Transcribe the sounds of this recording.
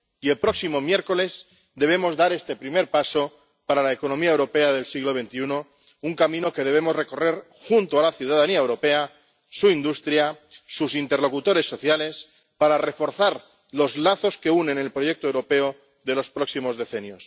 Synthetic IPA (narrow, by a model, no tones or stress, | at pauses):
ie̞lpɾo̞ksimo̞mje̞ɾko̞le̞z | d̪e̞βe̞mo̞zðaɾe̞st̪e̞pɾime̞ɾpaso̞ | paɾalaeko̞nomiaewɾo̞pe̞aðe̞lsiɣlo̞β̞e̞nt̪iuno̞ | uŋkamĩno̞ke̞ð̞e̞β̞e̞mo̞zre̞ko̞re̞ɾ | xunt̪oalaθjuwð̞aðaniaewɾo̞pe̞a | suind̪ust̪ɾja | susint̪e̞rlo̞kut̪o̞ɾe̞sːo̞θjale̞s | paɾare̞fo̞ɾθaɾ | lo̞zlaθo̞ske̞une̞nelpɾoje̞k̚t̪oewɾo̞pe̞o | ðe̞lo̞spɾo̞ksimo̞zðe̞θe̞njo̞s